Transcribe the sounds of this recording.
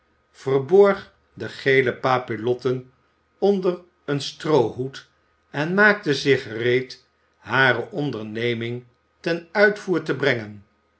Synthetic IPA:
v̥ərbɔɹχ | dəχejləpaːpilɔtən | ɔndər | ənstrowɦut | ɛnmaːk̚təzɪχərejt | ɦaːɾəʔɔndəɹnejmɪŋ | tɛnœɥtfuːɹtəbrɛŋən

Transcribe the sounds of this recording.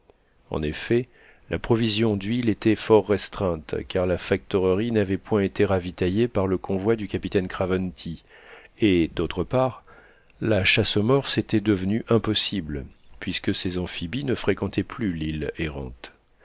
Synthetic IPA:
ɑ̰̃nefɛ | lʔapχɔvizjɔ̃d̪ɥilet̪ɛfɔʁːɛst̪χɛ̃t̪kaʁlafak̚t̪ɔʁəʁinavɛpwɛ̃et̪eʁavit̪ajepaʁləkɔ̃vwad̪ykʲapit̪ɛnkχavɔnt̪ʰi | ed̪ot̪χəpaʁ | laʃasomɔʁset̪ɛd̪əvnyʔɛ̃pɔsiblpɥiskəsezɑ̃fibinəfχekɑ̃t̪ʰɛplylileʁɑ̰̃t̪

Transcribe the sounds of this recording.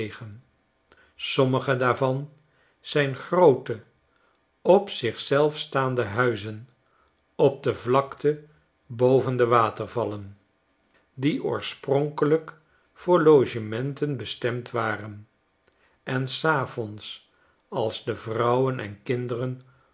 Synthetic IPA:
χən | sɔməχədaːɹvɑn | z̥ɛjnχrowtə | ɔpsɪχsɛlˠfstaːndəɦœɥzən | ɔb̚dəvlɑktʰə | bowvəndəʋaːtərvɑlən | diʔʊ̰ːɹsprɔŋkələk | fʊːɹlowʒəmɛntənbəstɛmtʋaːrən | ɛnsaːvɔns | ɑlˠzdəvrʌwənʔɛ̰nkɪndərən

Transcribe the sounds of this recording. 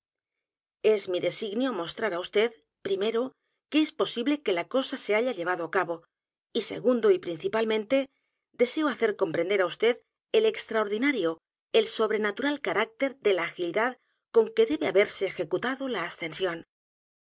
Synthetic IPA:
e̞zmiðe̞siɣnjo̞mo̞st̪ɾaɾaust̪e̞ð | pɾime̞ɾo | kee̞spo̞siβle̞ke̞lako̞sase̞aʎaʎe̞β̞aðo̞akaβo̞ | ise̞̰ɣ̞und̪o̞ipɾin̟θipalmẽnt̪e̞ | d̪e̞se̞oaθe̞ɾko̞mpɾe̞nd̪eɾaust̪e̞ð | ele̞kst̪ɾaoɾðinaɾjo̞ | elso̞βɾe̞nat̪uɾalkaɾak̚t̪e̞ɾðe̞laːxiliðað | ko̞ŋke̞ðe̞βe̞aβe̞ɾse̞ːxe̞kut̪aðo̞laːst̪e̞nsjo̞n

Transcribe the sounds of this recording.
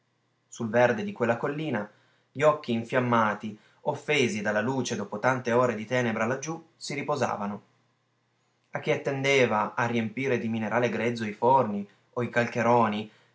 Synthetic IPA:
sulverd̪ed̪ikwelːakolːiːna | ʎiɔkːiːɱfjamːaːt̪i | ofːeːzid̪alːaluːt͡ʃed̪oːpot̪ant̪eoːɾed̪it̪ɛːnebɾalad͡ʒːusiɾipoza̰ːvano | ak̟ːiat̪ːend̪eːvaʔːrːiempiːɾed̪imineɾʔaːleɡɾɛd̪zːoiforni | oikalk̟eɾɔːni

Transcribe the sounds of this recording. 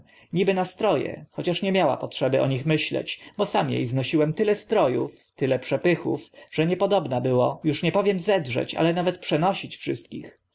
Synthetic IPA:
ɲibɘnast̪ɾɔjɛ̰xɔt͡ɕaʂɲɛmʲjawa̰pɔtʂɛbɘʔɔɲixmɘɕlɛ̰t͡ɕbɔsamjḛjznɔɕiwɛmt̪ɘlɛst̪ɾɔjuf | t̪ɘlɛpʂɛpɘxṵfʐ̥ɛɲɛpɔd̪ɔbnabɘwɔjuʂɲɛpɔvʲjɛmzɛdʐɛ̰t͡ɕa̰lɛnavɛt̪pʂɛnɔɕit͡ɕfʂɘst̪̚kʲḭx

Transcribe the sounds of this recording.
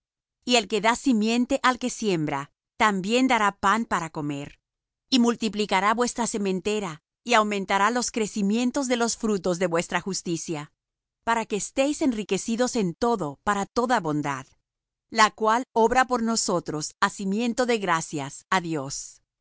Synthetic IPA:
ie̞lke̞ðasimje̞nt̪e̞ʔalke̞sje̞mbɾa | t̪ambje̞nd̪aɾapanpaɾako̞me̞ɾ | imult̪iplikaɾaβwe̞st̪ɾase̞mẽ̞nt̪e̞ɾa | iawmẽ̞nt̪aɾalo̞skɾe̞simje̞nt̪o̞zðe̞lo̞sfɾut̪o̞zðe̞βwe̞st̪ɾaxust̪isja | paɾake̞ːst̪e̞jse̞nrike̞siðo̞se̞nt̪o̞ðo̞paɾat̪o̞ðaβo̞nd̪a̰ð | lakwalo̞βɾapo̞ɾno̞so̞t̪ɾo̞sasimjẽ̞nt̪o̞ðe̞ɣɾasjasaðjo̞s

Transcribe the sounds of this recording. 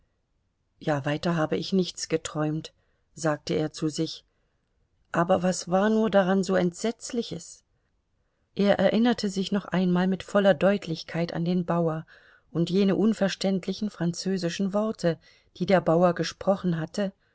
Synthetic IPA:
jaːvaɪtɐɦaːbəʔɪçnɪçt͡sɡ̥ətʁ̥ɔʏmt | z̥aːk̚təḛːɐt͡suzɪç | ʔaːbɐvasv̥aːɐnuːɐdaʁanzoːɛntz̥ɛt͡slɪçəs | ʔeːɐʔɛɐʔɪnɐtʰəzɪçnɔχʔaɪnmaːlmɪtfɔlɐdɔʏtʰlɪçkʰaɪta̰ndeːnbaʊɐ | ʔʊntjeːnəʔʊnfɛɐʃtɛntʰlɪçn̩fʁ̥ant͡søːzɪʃn̩vɔɐtʰə | d̥iːdeːɐbaʊɐɡəʃpʁ̥ɔχn̩ɦatʰə

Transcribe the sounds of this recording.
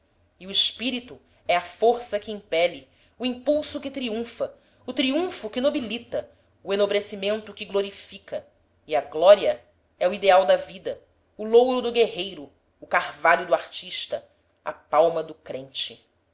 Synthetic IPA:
iʊɪʃpiɾit̪ʊ | ɛɐfoɾsɐkɪĩpɛlɪ | uĩpuwsʊkɪt̪ɾiũfɐ | ʊt̪ɾiũfʊkɪnobilit̪ɐ | uẽnobɾesimẽnt̪ʊkɪɡloɾifikɐ | iɐɡlɔɾiɐ | ɛuid̪eawd̪ɐvid̪ɐ | ʊlowɾʊd̪ʊɡeɦejɾʊː | kaɾvalʊd̪ʊaɾt͡ʃiʃt̪ɐ | a̰pawmɐd̪ʊkɾẽnt͡ʃɪ

